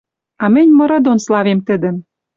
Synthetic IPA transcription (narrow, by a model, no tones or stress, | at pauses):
ɑmɘ̆nʲmɤ̆ɾɤ̆d̪onslɑvemt̪ɘ̆d̪ɘ̆m